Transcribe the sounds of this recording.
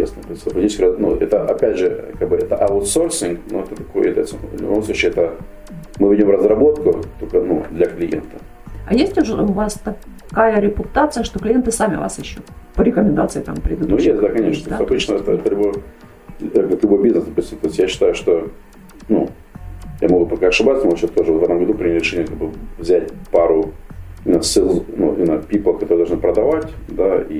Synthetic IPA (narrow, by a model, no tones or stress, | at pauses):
esnəpɐspɾɐt̪ʲit͡ɕɪsʲkʲɾənṵɛt̪əʔɐpʲædʲʐɨkaɡ̚bɨɛt̪əʔɐʊt̪so̞rsʲɪŋknṵɛt̪ət̪ɐkojɛt̪ə̰t̪sən̰vlʲʊ̰bomslut͡ɕɪɛt̪ə | mɨvʲidʲomrəzrɐbo̞t̪kʊt̪okənṵd̪lʲɐklʲɪjḛnt̪ə | ɐ̰jesʲtʲʊʐəʊvast̪ɐ | kajəɾʲɪpʊt̪at̪sɨjəʂt̪oklʲɪjent̪ɨsamʲɪ̰va̰sɪɕːopəɾʲɪkəmʲɪnd̪a̰t̪sɨɪt̪a̰mpɾʲɪd̪ud̪nujesʲt̪ʲd̪akɐnʲeʃnt̪osʲɐbɨt͡ɕnəɛt̪əɛt̪əlʲʊboj | ɡət̪lʲʊbo̞jbʲiznəsd̪ɐpusʲtʲɪmt̪oɪsʲt̪ʲjaɕːɪ̥t̪ajʊʂt̪o | nṵ | ja̰mɐɡupɐkaɐʂɨbasnmɡuɕast̪oʐɨvt̪vɛt̪əmɡɐd̪upɾʲɪnʲɪɾʲɪʂɛnʲɪəkaɡbɨvzʲætʲpaɾʊɪnəsʲɪznṵinəpʲipəkɐt̪oɾɨd̪ˠʐnɨpɾəd̪ɐvatʲ | d̪ai